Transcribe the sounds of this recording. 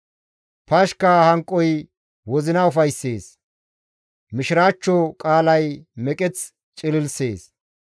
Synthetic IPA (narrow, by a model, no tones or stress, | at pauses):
pɐʃkɐhɐŋkʼːɔj | wɔzɪnɐʊfɐjsːeːs | mɪʃɪɾaːt͡ʃːɔkʼaːlɐjmɛkʼɛt͡s | t͡ʃʼɪlɪlseːs